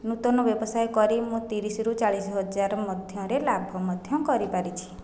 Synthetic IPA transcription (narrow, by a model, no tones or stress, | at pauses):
nut̪ɔnɔbjɔbɔsajkɔɾimũt̪iɾisɾut͡ʃaɭisɦɔd͡ʒaɾmɔd̪ʱjɔ̃ɾelabʱɔmɔd̪ʱjɔ̃kɔɾipaɾit͡ʃʰi̥